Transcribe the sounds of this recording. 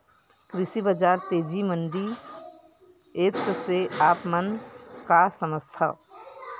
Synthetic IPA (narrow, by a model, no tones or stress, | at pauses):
kɾɪsibəd͡ʒaːɾt̪eːd͡ʒimənɖi | eːpsseaːpmənkasəməst̪ʰa̰